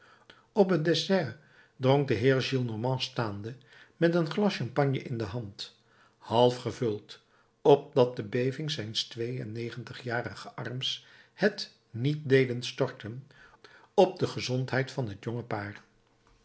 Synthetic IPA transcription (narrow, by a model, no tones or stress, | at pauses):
ɔpəndɛsɛɹ | droŋdəɦɪːɹʒilˠnɔmɑ̃staːndə | mɛtənχlɑsʃɑ̃mpɑɲjəʔɪndəɦɑnt | hɑlˠfχəvɵlˠt | ɔp̚dɑt̚dəbejvɪŋzɛjnstʋejə̰nːejχəntəχjaːɾəχəʔɑrmshɛt | nit̚dejdənstɔɹtən | ɔb̚dəχəzɔntɦɛjtfɑnɦətjɔŋəpaːr